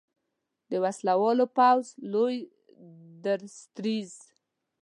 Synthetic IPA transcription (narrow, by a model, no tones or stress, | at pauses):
d̪əwaslawɑlopawzloj | d̪əɾst̪ɾiz